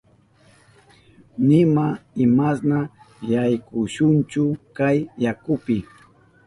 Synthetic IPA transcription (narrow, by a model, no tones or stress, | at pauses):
nɪmaɪmasna | jajkʊʃʊnt͡ʃʊkajːakʊpɪ